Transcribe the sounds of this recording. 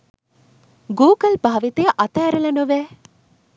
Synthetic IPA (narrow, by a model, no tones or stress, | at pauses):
ɡuːɡɐlbʱaːʋit̪ejɐʔɐt̪aɾɐlɐnoʋɛː